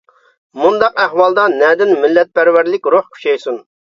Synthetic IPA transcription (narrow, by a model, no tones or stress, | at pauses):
mund̪ɑqæhwɑlˠd̪ɑnɛd̪ɪnmɪlːɛt̪̚pʰæɾwæɾlɪkʲɾohkʲʰy̥ʃɛjsun